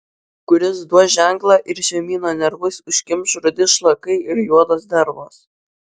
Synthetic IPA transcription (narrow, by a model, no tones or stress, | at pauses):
kʊɾʲɪsd̪uɔʒʲæˑŋˑklˠɑʔɪɾʃʲɛmʲiːnoːnʲɛɾʋʊsʊʃʲkʲɪmʲʃɾʊd̪ʲɪʃlˠɐkɐɪɪɾjuɔd̪oːsd̪ɐɾboːs